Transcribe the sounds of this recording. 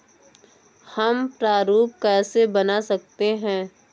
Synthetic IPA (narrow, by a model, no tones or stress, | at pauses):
hɐmpɾaːɾuːp̚kɛːsebɐnasɐk̚t̪eɦɛ̃ː